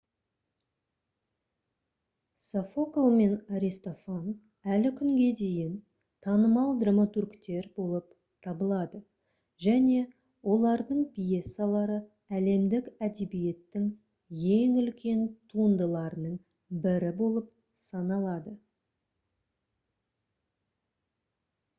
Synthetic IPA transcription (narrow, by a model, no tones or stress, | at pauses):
sofoklˠme̞naɾʲist̪o̞fan | ælɪkʲʰʏŋɡʲe̞d̪e̞jɪn | t̪ʰɑnəmɑlˠd̪ramot̪uɾkt̪e̞ɾbo̞lˠəp | t̪ʰɑbəlˠɑd̪ə | ʒæne̞ | wʔo̞lˠɑɾd̪əɴpijesalˠɑɾə | æle̞md̪ɪkæd̪e̞bije̞t̪ːɪŋ | je̞ŋʏlkʲʰe̞nt̪ʰuənd̪əlˠɑɾənəɴ | bɪɾɪbo̞lˠəp̚ | sɑnɑlˠɑd̪ə